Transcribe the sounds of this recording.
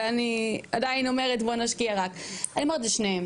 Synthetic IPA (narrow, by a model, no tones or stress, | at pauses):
aniadainomeʁetbonaʃkiaʁakaniomaet̬leʃneem